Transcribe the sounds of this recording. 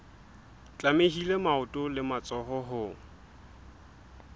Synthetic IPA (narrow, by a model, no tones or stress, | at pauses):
t͡ɬʼameɦilemaʊtʼʊlɪmat͡sʼɔɦɔɦʊ